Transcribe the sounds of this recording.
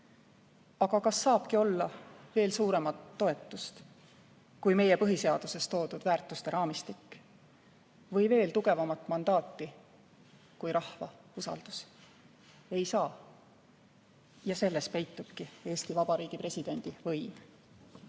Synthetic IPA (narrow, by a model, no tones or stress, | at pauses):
ɑɡ̥ɑkɑsːɑːb̥kio̞lːɑve̞ːlsuːɾe̞mɑt̪ːo̞e̞t̪ːˑust̪ | kujme̞je̞pɤɦise̞ɑd̪̥use̞st̪o̞ːd̪ud̪̥væːrt̪ːˑust̪e̞ɾɑːmist̪ikː | vɤjve̞ːlt̪uɡ̥e̞vɑmɑt̪ːˑmɑnd̪̥ɑːt̪ːi | kujɾʔɑhvɑ̰usɑ̰ld̪̥us | e̞jsɑː | jɑse̞lːe̞spe̞jt̪ːˑub̥̚kie̞ːst̪ivɑb̥ɑɾiːɡ̥ipre̞sʲid̪̥e̞nʲd̪̥ivɤjm